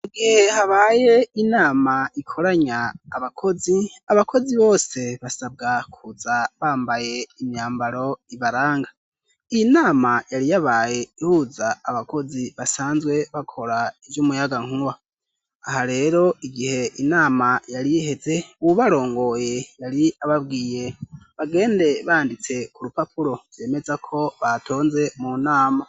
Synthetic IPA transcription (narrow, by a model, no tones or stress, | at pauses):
uɡihe̞haβaːje̞inaːmaikʰo̞ɾaɲaːβakʰo̞ziaβakʰo̞ziβo̞ːse̞βasab̚ɡakʰuzaβaːmbaje̞imɲaːmbaɾo̞iβaɾaːŋɡa | iinaːmajaɾijaβaje̞ihuzaːβako̞ziβasaːnzɡwe̞βakʰo̞ɾaivjumujaɡaŋ̥uwaː | haɾe̞ːɾo̞iɡihe̞ʔinaːmajaɾiihe̞ze̞βuβaɾo̞ːŋɡo̞jejaɾiaβabɡiːje̞βaɡe̞ːnde̞βaːndit͡se̞kuɾupapʰuɾo̞v̥je̞ːme̞zakʰo̞βatʰo̞ːnze̞munaːma